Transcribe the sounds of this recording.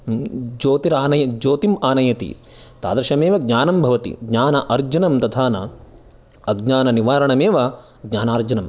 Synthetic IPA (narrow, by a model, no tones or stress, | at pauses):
d͡ʒoːt̪iɾaːnɐjɐkd͡ʒoːt̪imaːnɐjɐt̪ḭt̪a̰ːd̪ɐɾɐʃɐmeːʋɐɡ̚ɲaːnɐmbʱɐʋɐt̪ḭɡɲaːnɐʔɐɾd͡ʒɐnɐmt̪ɐt̪ʰaːnɐ | ɐɡɲaːnɐniʋaːɾɐɳɐmeːʋɐ | ɡɲaːnaːɾd͡ʒɐnɐm